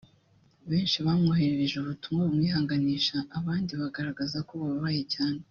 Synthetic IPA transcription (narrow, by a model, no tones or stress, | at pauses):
βe̞ːnʃiβamŋoheɾeɾeʒeuβutumaumŋiːɦaːŋɡaniːʃaʔːβaːndiβaɡaɾaɡazakoβaββaje̞caːne